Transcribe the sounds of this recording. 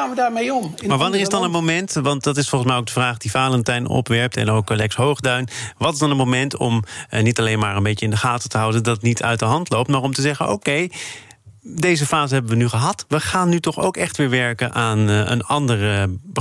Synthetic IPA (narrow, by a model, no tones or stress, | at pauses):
anʋədaːɹmejɔmmaːɹʋɑnɪːɪsdɑnənmomɛntʋɑntdɑtɪsfɔlˠχəns̬mɛjoʊwɡ̚dəvraːχd̥ifaːləntɛjnɔ̰pʋɛɹp̚tɛ̰nowklɛksɦowχdœɥnʋɑtɪzdɑnənmomɛntɔ̰mnitɑlejnmaːɹənbejjəɪndəχaːtətəɦʌwdəndɑtnitʰœ̰ɥtdəɦɑntlowp̚tmaːɹɔmtəzɛχəno̰wkej | dejzəfaːzəɦɛbənʋənyχəɦɑtʋəχaːnːytɔχo̰wkɛχtʋɪːɹʋɛɹkənʔaːnə̰nɑndərəbə